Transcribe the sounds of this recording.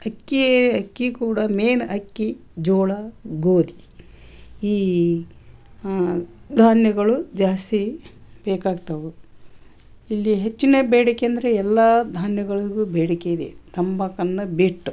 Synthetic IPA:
ɐkːieɐkːikuːɽɐmeːnʔɐkːi | d͡ʒoːɭɐɡoːd̪i | iː | d̪ʱaːnjɐɡɐɭud͡ʒaːst̪ib̥eːkaːɡt̪ɐʋu | ilːiɦet͡ʃːineːbeːɽikeɐnd̪ɐɾeɛlːɐd̪ʱaːnjɐɡɐɭiɡubeːɽikeid̪ḛt̪ɐmbɐkɐnːɐbiʈːu

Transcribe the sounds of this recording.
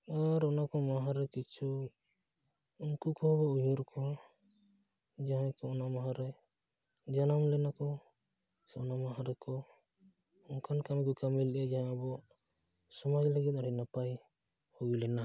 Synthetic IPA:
aɾɔnakɔmaɦaɾɛkit͡ʃʰu | unkukɔbɔujuɾkʰɔɦ | d͡ʒaɦãkɔɔnamaɦaɾɛ | d͡ʒanamlɛnakɔ | sɔnamaɦaɾɛkɔ | ɔnkʰankamɡɔkamɛlʔɛd͡ʒaɦãabɔ | sɔmad͡ʒlaɡɛt̪̚aɾinapaj | huwilɛna

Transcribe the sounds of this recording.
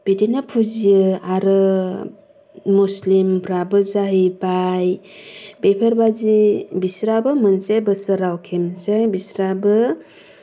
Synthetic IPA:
b̥edinapʰud͡ʒijɯaɾɯ | uslimpʰɾabɯzaɦibajbepʰeɾbazibisɾabɯmənt͡ʃejbəsəɾawkʰemsajbisɾabɯ

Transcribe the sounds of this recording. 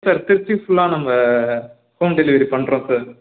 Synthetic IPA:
sɐːɾt̪ɪɾt͡ʃːifʊɭːaːnɐmɐ | foːmɖɛlɪʋɐɾipɐɳːɾõːsaːɾ

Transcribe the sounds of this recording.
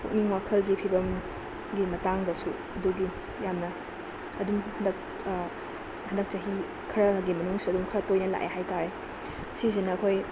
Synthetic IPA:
kʰuk̚niŋwakʰɐlɡipʰibɐm | ɡimɐtaŋdɐsu | ɐduɡi | jamnɐː | dumhɐndɐk̚ | hɐndɐk̚t͡ʃɐɦi | kʰɐɾɐɡimɐnuŋsuɐdumkʰɐɾɐtojnɐla̰ʔḛɦajtaɾe | siz̬inɐːkʰoj

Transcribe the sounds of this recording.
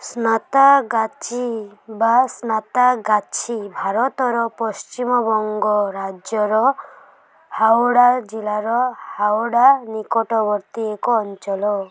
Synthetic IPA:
snat̪aɡat͡ʃʰibasnat̪aɡat͡ʃʰibʱaɾɔt̪ɔɾɔpɔst͡ʃimɔbɔŋɡɔɾad͡ʒjɔɾɔ | hawɽad͡ʒilaɾɔhawɽanikɔʈɔbɔɾt̪iekɔːnt͡ʃɔlɔ

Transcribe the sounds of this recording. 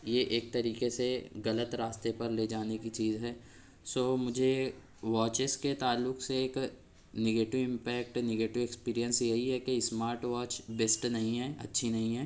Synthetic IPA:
jeʔeːk̚t̪ɐɾiːkeseɣɐlət̪ɾaːst̪epɐɾleːd͡ʒaːnekit͡ʃiːzɦɛː | soːmʊd͡ʒʱe | ʋɔːt͡ʃɪsket̪aːlːʊkseeːk | neɡeːʈɪʋɪ̃mpɛːk̚ʈnɛɡeːʈɪʋekspiːɾijə̃nsjɐɦiɦɛkesmaːɾʈʋɔːt͡ʃbeːsʈnɐɦĩɦɛːɐ̰tːʃʰinɐɦĩɦɛː

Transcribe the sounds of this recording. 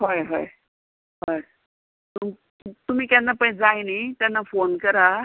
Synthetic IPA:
ɦojɦo̰j | ɦoj | t̪um | t̪um̤iːkjanːapə̃d͡zajnit̪janːafonkəɾa

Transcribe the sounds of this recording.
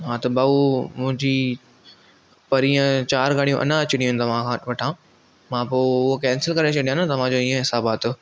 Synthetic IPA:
ɦãːt̪ɐbaːumʊ̃ɦɪ̃ɲd͡ʑi | pɐɾiə̃t͡ɕaːɾɡaːɽijũʔɐ̰nə̃ɐt͡ɕɪɽijũnt̪ɐʋ̤ãkʰãːʋɐʈʰãː | mãːpoːʊɦokɛːnsɪlkɐɾet͡ɕɐɽijãnɐt̪ɐʋ̤ãd͡ʑoːiːə̃ɦɪsaːbaːt̪ʰo

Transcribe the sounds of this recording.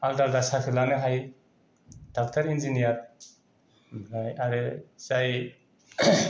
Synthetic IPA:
aldaldasakʰilanɯɦaj | d̥ak̚tʰaɾind͡ʒinijaɾ | mnajaɾɛzaj

